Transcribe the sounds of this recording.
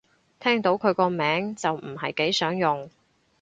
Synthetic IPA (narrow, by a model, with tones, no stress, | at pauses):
t̪ʰɛː˥ŋt̪o˨˥wkʰɵ˨˧ɥkɔː˧mɛː˨˥ŋt͡sɐ˨wm̩˨˩ɦɐ˨jke˨˥jsœː˨˥ŋjʊ˨ŋ